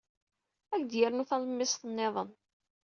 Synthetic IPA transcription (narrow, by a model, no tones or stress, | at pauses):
ækd̪jəɾnuθɑləmːɪsˤθənːeðˤən